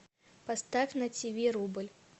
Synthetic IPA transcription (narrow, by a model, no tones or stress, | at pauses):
past̪afʲnɐt͡sʲivʲiɾubɨlʲ